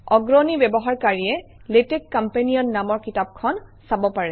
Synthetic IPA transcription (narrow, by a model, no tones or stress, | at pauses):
ɔɡɹonibɛbɔɦaɹkaɹiɛ | letekkːampeniɔnːamɔɹkitap̚kʰɔnsabɔpaɹɛ